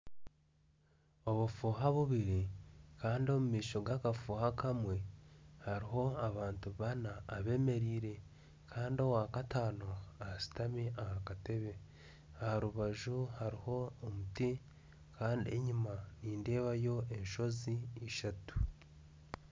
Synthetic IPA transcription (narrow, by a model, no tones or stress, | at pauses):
o̞βufuːɦaβuβiɾikaːndio̞mumiːʃo̞ɡakafuhakamwe̞haɾiɦo̞aβaːntuβanaːβe̞me̞ɾiːɾe̞ | kʰaːndio̞waːkataːnoahasi̥tamiʔahakate̞βe̞ | ahaɾuβaʒuhaɾiho̞ːmuti | kʰaːndie̞̰ɲimaniːnde̞ːβajo̞e̞nʃo̞zieʃatu̥